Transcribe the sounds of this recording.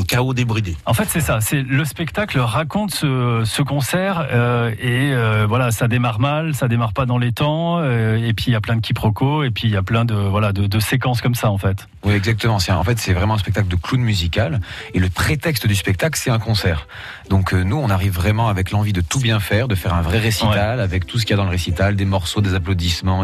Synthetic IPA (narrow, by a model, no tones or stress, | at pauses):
ɛ̃kaod̪ebʁid̪eɑ̃fɛt̪sɛsasɛləspɛkt̪aklʁakɔ̃t̪səsəkɔ̃sɛʁøeøvwalasad̪emaʁmalsad̪emaʁpad̪ɑ̃let̪ɑ̃øepɥiːljaplɛ̃d̪əkʰʲipχɔkʰoepɥiːjaplɛ̃d̪əvwalad̪əd̪əsekɑ̃skɔmsaɑ̃fɛt̪ | wiɛɡzak̚t̪əmɑ̃sɛɑ̰̃fɛt̪sɛvʁɛmɑ̃ɛ̃spɛk̚t̪akləd̪əklunmyzikaleləpχet̪ɛkst̪d̪yspɛk̚t̪aklsɛt̪ɛ̃kɔ̃sɛːʁ | d̪ɔ̃kʰønuɔ̃naʁivːʁɛmɑ̃avɛklɑ̃vid̪ət̪ubjɛ̃fɛʁd̪əfɛʁɛ̃vʁɛʁesiwtɛalavɛk̚t̪ʰus̬ə̥kʲijad̪ɑ̃ləʁesit̪ald̪emɔʁsod̪ezaplod̪ismɑ̃